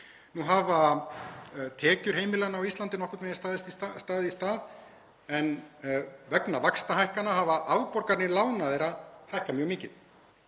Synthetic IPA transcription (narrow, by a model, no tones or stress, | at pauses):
nuɦava | t̪ʰɛːcʏɾ̥heːjmɪlanaːwist̪lant̪ɪnɔhkʏɾt̪mɛjɪst̪aːðɪst̪it̪ast̪aːðɪist̪aːð | ɛn | vɛknavakst̪ahajhkanːaɦavaʔawpɔɾkaɾnɪlaːwnaðɛɾaðhajhkamjœɣmɪːcɪð̥